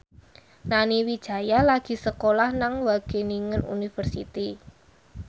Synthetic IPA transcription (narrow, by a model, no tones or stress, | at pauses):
naniwid̥ʒ̥ä̤jalaɡ̥i̤səkolahnaŋwaɡ̥e̤niŋənṵnifərsḭt̪i